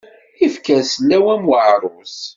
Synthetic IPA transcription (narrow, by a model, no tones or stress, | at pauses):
ifkæsəlːæwæmwəʕɾˤʊs